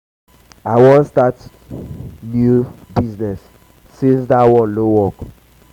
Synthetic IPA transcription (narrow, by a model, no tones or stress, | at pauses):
awɔ̃nstat | njubiznɛsː | esdawɔ̃nlowɔk